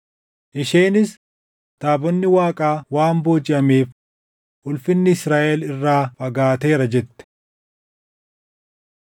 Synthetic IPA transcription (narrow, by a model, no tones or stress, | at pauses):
ʔɪʃeːnɪs | t̪aːbɔnːɪwaːkʼaːwaːmbo̞ːd͡ʒɪʔɐmeːf | ʔʊlfɪnːɪɪsɾaːʔɛlɪrːaːfɐɡaːt̪e̞ːɾɐd͡ʒɛt̪ːɛ̥